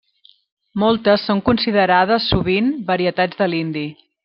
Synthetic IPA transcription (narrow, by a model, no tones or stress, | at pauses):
molˠt̪əsːoŋkunsiðəɾað̞əsːuβ̞inbəɾiət̪ad͡zðəlind̪i